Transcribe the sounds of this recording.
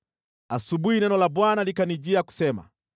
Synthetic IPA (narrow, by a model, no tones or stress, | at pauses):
asubuhinɛnɔlabwanalikanid͡ʒiaku̥sɛma̰